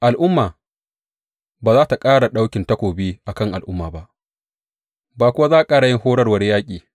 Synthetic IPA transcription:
ʔa˨lʔʊ˦mːaː˨ | baː˨zaː˦ta˨kʼaː˦ɽa˨ɗa˦wkʲɪ˨ntɐ˦kʷoː˨biː˦ʔa˨kɐ˦ŋʔa˨lʔʊ˦mːaː˨ba˦ʔ | baː˨kʷʊ˦wa˦zaː˦ʔa˨kʼaː˦ɽa˨jɪ˦ŋhoː˦ɽɐ˦rwɐ˦rjaː˦kʲʼiː˨

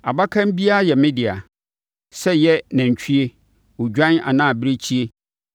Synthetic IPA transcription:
a˨ba˦kʰã˦m˦bi˦a˦˨jɛ˨mɪ̃˦dɪ˨a̰˨ | sɛ˦jɛ˦nã˨ɲ˨t͡ɕᶣʰi˦e˦ | ʊ˨d͡ʑᶣã˦na̰˨nãː˦˨bɪ˦ɾe˦t͡ɕʰi˦e˦

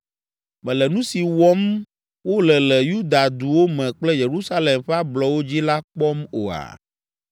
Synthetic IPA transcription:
mɛ̃˨lɛ˨nũ˦si˨wɔ˦m | wo˦lɛ˨lɛ˨ju˦d̪a˨d̪u˨wo˦mɛ̃˨k͡plɛ˦je˨ɾu˦sa˦lɛ˨mɸe˦a˦blɔ˨wo˦d͡ʑi˦la˦k͡pɔ˦mo̰˨a̰˨

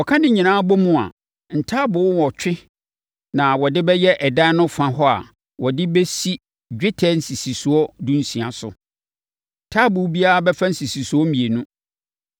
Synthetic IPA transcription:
wɔ˨kʰã˦nɪ̃˦ɲĩ˨nãː˦bɔ˦mũ˦a̰˨ | n̩˨tʰa˦bʊ˨˦wɔ˨t͡ɕᶣɪ˦ | nã˨wɔ˨dɪ˦bɛ˦jɛ˦ʔɛ˨daː˦nʊ̃˦fã˨ɦɔ˦a̰˨ | wɔ˨dɪ˦be˦si˦ | d͡ʑᶣɪ˦tʰɛ˦n̩˨si˨si˨su˨ɔ˦dũ˦n̩˦sĩ˨a˨sʊ̰˨ | n̩˨tʰaː˦bʊ˨˦bi˦a˦a˦bɛ˦fa˦n̩˦si˨si˨su˨ɔ˦mĩ˨e˨nũ˦

